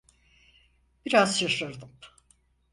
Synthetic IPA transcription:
b̥iɾazʃaʃaɾd̪ɯm

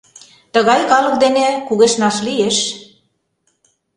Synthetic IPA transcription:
t̪ə̆ɣɑjkɑlɤ̆k̚d̪enekuɣeʃnɑʃlijeʃ

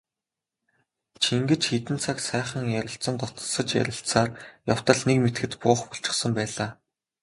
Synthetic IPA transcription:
t͡ɕʰiŋɡɘ̆t͡ɕxit̪ɘ̆nt͡sʰaksæːχə̆ŋjæɾʲɪ̆ɬt͡sə̆nt̪ɔt̪ɞ̥̆sə̆t͡ɕjæ̰ɾʲɪ̆ɬt̪saːrjaw̥t̪ə̆ɮnekmet̪ɡɘ̆t̪pʊːχpɔɬt͡ɕɪ̆χsə̆mpæːɮaː

